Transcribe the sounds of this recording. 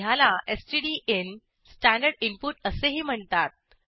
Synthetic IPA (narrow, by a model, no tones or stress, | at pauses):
jalaesʈiɽiʔen | sʈæɳɖəɽimpuʈəseɦiːm̤əɳt̪at̪̚